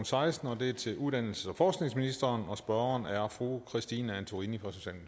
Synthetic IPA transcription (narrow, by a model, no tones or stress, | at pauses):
n̩sɑ̈ɪsd̥n̩ɒ̽d̥e̝æt͡sʰe̝ʔuðˠd̥æn̰l̩səɒfɒːsɡ̥ne̝ŋsminisd̥ɐːnɒ̽sb̥ɶɐɐnæɐfʁukʰʁisd̥iːnəænt͡sʰoʁinifʁɑsoɕɛ̰ːlm